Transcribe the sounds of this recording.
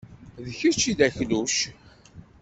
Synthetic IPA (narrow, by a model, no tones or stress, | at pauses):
ðçət͡ʃːiðæçluʃ